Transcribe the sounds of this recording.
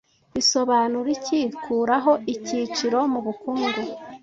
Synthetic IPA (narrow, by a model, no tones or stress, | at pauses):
iso̞βanuɾicikʰuːɾaɦo̞ʔicit͡ʃiɾo̞muβukuːŋɡu